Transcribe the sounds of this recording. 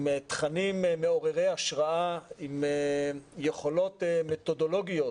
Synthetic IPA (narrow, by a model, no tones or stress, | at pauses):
met̪χanimmeo̞ʁeʁejaʃʁaʔaimejeχolo̞t̪met̪o̞do̞lo̞ɡijo̞